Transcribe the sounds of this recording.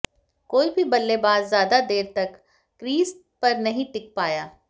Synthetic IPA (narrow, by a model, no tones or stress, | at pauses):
koːibʱibɐlːebaːzːjaːd̪ad̪eːɾt̪ɐkː | ɾiːs | pɐɾnɐɦĩt̪ɪk̚paːjaː